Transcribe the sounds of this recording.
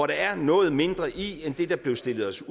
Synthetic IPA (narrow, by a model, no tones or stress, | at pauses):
ɒɾɑ̈æɐnɔ̽ːð̞̩ˠme̝nd̥ʁɐʔiend̥e̝d̥ɑ̈b̥le̝ʊsd̥e̝lð̩ˠɒ̽s